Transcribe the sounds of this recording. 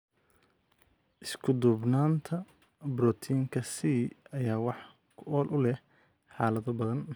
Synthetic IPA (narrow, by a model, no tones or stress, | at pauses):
ʔɪskʰʊd̪ʊbnaːnt̪ʰɐ | bɾɔːt̪ʰiːŋkʰɐsiːɐjaːwɑħ | kʰʊʔɔːlʔʊlɛh | ħɑːlɐðɔbɐðɐn